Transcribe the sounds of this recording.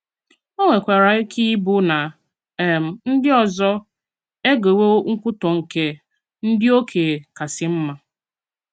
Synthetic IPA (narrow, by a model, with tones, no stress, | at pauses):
o˦ŋʷe˨kʷe˨ɾa˨i˦kʰi˦bʊ˦na˨ | m̩˨n̩˦dɪ˦ɔ˨zɔ˦ | e˦ɡe˨wo˦ŋ̩˦kʷʊ˦tɔ˨ŋ̩˨ke˦ | n̩˦dɪ˦o˦kʰe˨ka˨sɪ˦m̩˦ma˨